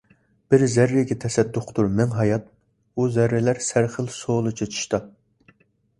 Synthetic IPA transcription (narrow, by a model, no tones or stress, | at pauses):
b̥ɪɾzæɾːɪɡʲɛt̪ʰɛsɛd̪ːʊqʰt̪uɾmɛŋɦɑjɑt̪̚ | uzæɾːɛlæɾsæɾχəlˠsolˠɨt͡ʃʰet͡ʃʰi̥ʃt̪ɑ